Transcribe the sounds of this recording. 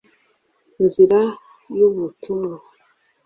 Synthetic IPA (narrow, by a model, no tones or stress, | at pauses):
iziɾa | juβutʰuma